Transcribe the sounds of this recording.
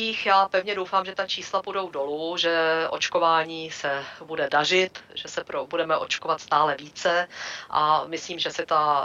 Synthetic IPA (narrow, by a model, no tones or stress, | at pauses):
iːxjaːpɛvɲɛdo̞wfaːmʒɛt̪at͡ʃiːslapudo̞wdo̞luʒɛʔo̞̰t͡ʃko̞vaːɲiːsɛbudɛdar̝ɪt̪ʒɛsɛpɾobudɛmɛʔo̞̰t͡ʃko̞vat̪st̪aːlɛviːt͡sɛʔa̰mɪsliːmʒɛsɛt̪a